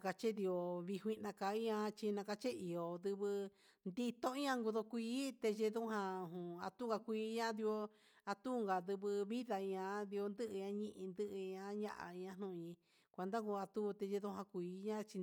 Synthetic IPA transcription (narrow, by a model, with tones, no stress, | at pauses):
ka˧t͡ʃe˦ði˧o˧βi˧ɦʷi˧nã˧ka˧i˦ã˧t͡ʃi˧nã˧ka˧t͡ʃe˦i˨o˨ðɨ˧βɨ˧ | nd̪i˧t̪õ˦i˦ɲã˧ŋɡu˧ðo˧kʷiː˦t̪e˧ʒe˧ðu˦ɦã˧ɦũ˨a̰˧t̪u˦ɡa˧kʷiː˧˦ɲã˦ði˧o˧ | a˧t̪u˦˧ŋɡa˨ðɨ˧βɨ˧βi˦ða˧i˧ɲã˧ði˧o˧nd̪ɨ˦ʔɨ˧ɲã˧ɲĩ˦˧ʔĩ˧nd̪ɨ˦ʔɲã˧ɲã̰˦˧ʔa̰˨ĩ˧ɲã˧n̥ũ˧ɲĩ˧ | kʷe˧nd̪ã˦ɡu˧a˧t̪u˦˧t̪e˧ʒe˧ðu˧˦ɦã˧kʷiː˧˦ɲã˦t͡ʃi˧